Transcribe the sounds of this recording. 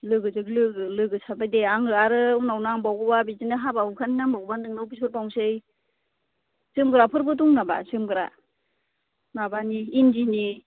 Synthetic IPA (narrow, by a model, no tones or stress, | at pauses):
lɯɡɯzɯklɯɡɯlɯɡɯsabajdeaŋɯaɾɯunawnaŋbawɡɯbabizinɯɦabaukʰaninaŋbawbanɯŋnawbisɔɾbawsɯj | z̥ɯmɡɯɾapʰɯɾbɯtuŋnaba̰zɯmɡɯɾa̰ | nabaniːndini